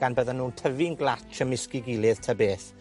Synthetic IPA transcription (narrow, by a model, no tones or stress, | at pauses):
ɡ̥anbəðənuːntʰəvɪnɡlˠatʰəmɪskɪɡɪlˠɪð̥tʰəbeːθ